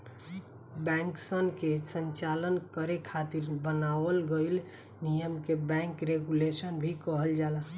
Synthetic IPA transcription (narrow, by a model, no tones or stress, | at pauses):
bɛ̃ŋksənkesənt͡ʃalənkəɾekʰat̪iɾbənaʋəlɡəɪl | nijəmkebɛ̃ŋkɾeɡulesənbʱikəɦəld͡ʒala